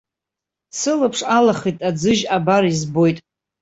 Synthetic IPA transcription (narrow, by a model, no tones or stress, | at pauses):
sɨlɨpʰʂalaχitʼad͡zɨʒabaɾizbo̞jtʼ